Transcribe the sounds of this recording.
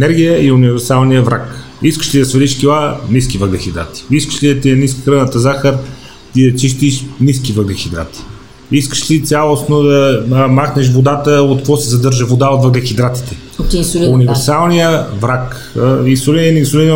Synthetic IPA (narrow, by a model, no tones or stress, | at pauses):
ɛnɛɾɡʲijəiunivɛɾsalˠnijəvɾa̰k | iskə̥ʃlid̪ɐsvɛliʃkʲilˠaniskivəɡlɐxʲid̪ɾa̰t̪i̥iskə̥ʃlid̪ɐt̪iɐnis̬kixɾənət̪əzaxəɾ | t̪id̪ət͡ʃiʃt̪iʃniskivəɡɐxid̪ɾa̰t̪i̥ | iskə̥ʃlit̪sʲjalˠosnod̪ɐmaxnɛʃ̬vod̪at̪əot̪̚kvɔsɛzɐd̪ɤɾʒəvod̪aot̪vəɡlɐxid̪ɾat̪i̥t̪ɛ | t̪isunivɛɾsalˠnijəvɾak | isolinnisʊlin